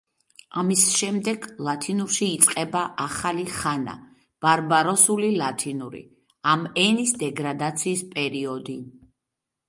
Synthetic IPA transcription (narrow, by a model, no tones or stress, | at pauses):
amisʃɛmd̪ɛɡlˠat̪ʰinuɾʃiːt̪sʼqʼɛbaʔaχaliχana̰ | b̥aɾbaɾɔsulilat̪ʰinuɾḭ | amɛnisd̪ɛɡɾad̪at̪sʰiːspʼɛɾiɔd̪i